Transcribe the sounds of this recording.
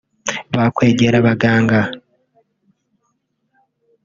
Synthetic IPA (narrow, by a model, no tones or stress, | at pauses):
βakwe̞ːɟeɾaβaɡaːŋɡa